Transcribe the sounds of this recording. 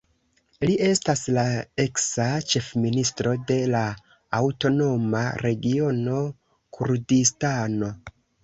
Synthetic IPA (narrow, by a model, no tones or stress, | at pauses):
liʔe̞staslae̞ksat͡ʃe̞fministɾo̞de̞laː | wto̞no̞ma̰ɾe̞ɡio̞no̞ | kʰuɾdistano̞